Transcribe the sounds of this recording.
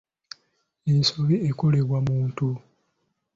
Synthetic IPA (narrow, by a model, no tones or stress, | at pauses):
ensuβiekoleβwamuːntu